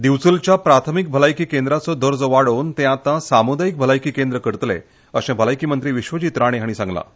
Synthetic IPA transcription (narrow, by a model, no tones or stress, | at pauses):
d̪iʋt͡sult͡ɕjapɾat̪ʰəmik̚bʱəlajkiːkend̪ɾat͡sɔd̪əɾd͡zəʋaɽont̪ẽat̪ãsamud̪ajik̚bʱəlajkiːkend̪ɾəkəɾt̪lḛ̃ | əɕẽbʱəlajkiːmənt̪ɾiːʋiɕʋəd͡ʑit̪ɾaɽ̃eɦaɽ̃isãŋɡla̰